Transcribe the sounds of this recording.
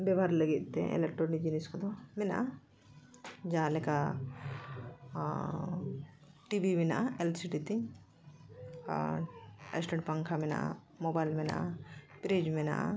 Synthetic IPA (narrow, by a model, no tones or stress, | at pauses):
bɛbʱaɾləɡit̪̚t̪ːɛ̰ɛ̰lek̚ʈɾɔnik̚d͡ʒiniskɔd̪ɔmɛna̰ʔa | d͡ʒalɛka | ʈibimina̰ʔaɛlsiʈit̪i | ɛ̰sʈɛɳʈpaŋkʰamɛna̰ʔa̰ | mobajlmɛna̰ʔapɾed͡ʒmɛna̰ʔ